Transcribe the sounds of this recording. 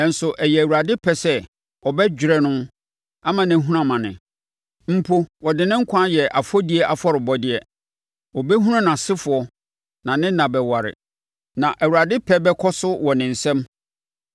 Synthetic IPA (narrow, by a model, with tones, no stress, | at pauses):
ɛ˨n̩˨sʊ˨ʔɛ˨jɛ˨æ˨wu˨ɾa˨dɪ˦pʰɛ˨sɛ˦ | ɔ˨bɛ˦d͡ʑᶣɾɛ˦nʊ̃˦ | a˦mã˨nɪ̃˨˦ɦũ˦ɾã˦mã˨nɪ̰̃˨ | m̩˨pʰo˦wɔ˨dɪ˨nɪ̃˦ŋ̩˦kʷʰã˦jɛ˨ʔa˨fɔ˦di˦ɛ˦ʔa˨fɔ˦ɾɪ˨bɔ˦dɪ˦ɛ˦ | ɔ˨bɛ˦ɦũ˦ã˦nã˨sɪ˦fʊ˨ɔ˨ | nã˨nɪ̃˦nã˨bɛ˨wa˨ɾɪ̰˨ | nã˨ʔæ˨wu˨ɾa˨dɪ˦pʰɛ˦bɛ˦kʰɔ˦sʊ˦wɔ˨nɪ̃˨n̩˨sɛ̃˦m